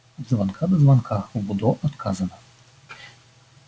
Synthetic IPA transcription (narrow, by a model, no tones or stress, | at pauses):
zvankʰad̪ɐzvankʰaxbud̪ɔʔɔt̪kʰazɐnɐ